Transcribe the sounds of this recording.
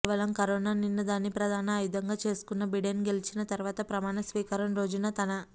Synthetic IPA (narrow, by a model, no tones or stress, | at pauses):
ʋɐlɐmkɐɾoːnaːninːɐd̪aːnːipɾɐd̪ʱaːnɐːjud̪ʱɐŋɡaːt͡ʃe̞ːsu̥kunːɐbiɖenɡe̞lit͡ʃinɐt̪ɐɾuʋaːt̪ɐpɾɐmaːɳɐsʋiːkɐɾɐmɾo̞ːd͡ʒunɐt̪ɐnɐ